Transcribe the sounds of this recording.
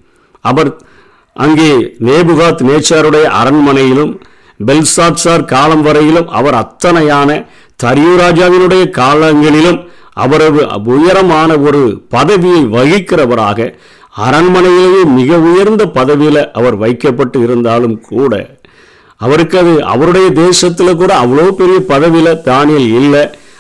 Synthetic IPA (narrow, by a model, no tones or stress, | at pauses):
ɐʋɐɾ | ʔɐŋɡeːneːbɯɣaːt̪neːt͡ʃːaːɾɯɽɐjɐʔɐ̰ɾɐnmɐnɐjɪlɯm | bɛlsaːʈsaːɾkaːlɐmʋɐɾɐjɪlɯmɐ̰ʋɐɾɐt̪ːɐnɐjaːnɐ | t̪ɐɾjuɾaːd͡ʒaːʋɪnɯɽɐjɐkaːlɐŋɡɐɭɪlɯm | ʔɐ̰ʋɐɾɐʋɯʔʊjɐɾɐmaːnɐɔɾɯpɐðɐʋɪjɐɪʋɐɣɪkːɪrɐʋɐɾa̰ːɣɐ | ɐɾɐnmɐnɐjɪlejeːmɪɣɐʊjɐɾnd̪ɐpɐðɐʋɪlɐʔɐʋɐɾʋɐɪkːɐpːɐʈːɯɪɾɯnd̪aːlɯmkʰuːɽɐ̰ | ɐʋɐɾɯkːɐðɯɐ̰ʋɐɾɯɽɐjɐd̪eːʂɐt̪ːɪlɐk̬ːuːɽɐɐʋːɐɭoːpɛɾɪjɐpɐðɐʋɪlɐt̪aːnɪlɪlːɐ